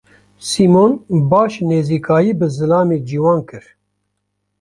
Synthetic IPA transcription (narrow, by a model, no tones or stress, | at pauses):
siːmoːnbaːʃneːziːkaːjiːbɨzɨlaːmeːd͡ʒiːwɑːnkɨɾ